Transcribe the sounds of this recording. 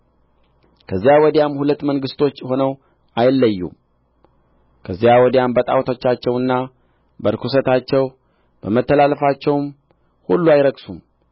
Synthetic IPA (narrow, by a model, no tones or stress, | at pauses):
kʰəzːijawɔd̪jamhulət̪ːməŋɡɨst̪ʰo̞t͡ʃːho̞nəw | ʔajɪlːəjːṵm | kʰəzːijawɔd̪jambət̪ʼa̰wt̪ʰot͡ʃːat͡ʃːɛwɨnːa | bəɾkʰus̬ət̪at͡ʃːɛw | b̥əmət̪ːəlaləfat͡ʃːɛwm | hulːuajɪɾəɡsum